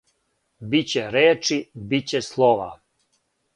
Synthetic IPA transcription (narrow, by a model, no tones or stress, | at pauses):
bit͡ɕeɾeːt͡ʂibit͡ɕeslˠoʋa̰